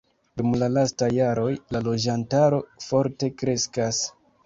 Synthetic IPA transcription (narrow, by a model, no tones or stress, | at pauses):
dumlalastajːaɾo̞jlalo̞d͡ʒantaɾo̞fo̞ɾte̞kɾe̞skas